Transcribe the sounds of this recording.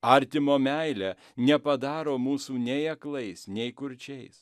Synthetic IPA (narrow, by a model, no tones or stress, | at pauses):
ɐɾʲt̪ʲɪmoːmʲæɪlʲæː | nʲɛpɐd̪ɑːɾoːmuːsuːnʲɛɪɐklˠɐɪsnʲɛɪkʊɾʲt͡ʃʲɛɪs